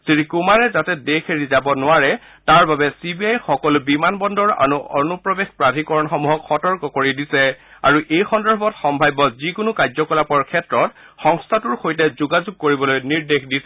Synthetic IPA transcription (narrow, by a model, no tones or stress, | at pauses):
sɹikumaɹɛzatɛdexʰeɹizabɔnʊaɹɛ | taɹbabɛsibiajxɔkɔlʊbimanbɔndɔɹa̰ɹuɔnupɹɔbexpɹadʱikɔɹɔnxɔmuɦɔkxɔtɔɹkɔkoɹidisɛaɹuʔejxɔndɔɹbʱɔtxɔmbʱajbɔzikʊnʊkazɔkɔlapɔɹkʰɛtɹɔt̚ | xɔŋstʰatʊɹxojtɛzuɡazuɡ̚kːoɹibɔlojniɹdexdisɛ